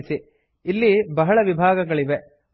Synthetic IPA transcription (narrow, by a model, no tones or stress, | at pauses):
si | ilːibɐɦɐɭɐʋibʱaːɡɐɡɐɭiʋe